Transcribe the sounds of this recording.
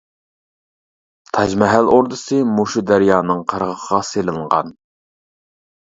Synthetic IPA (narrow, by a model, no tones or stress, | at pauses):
t̪ʰɑd͡ʒmɛɦæloɾd̪ɨsɨmuʃud̪æɾjɑːnɨŋqʰəɾʁəχʰəʁɑselˠɨŋʁɑ̰n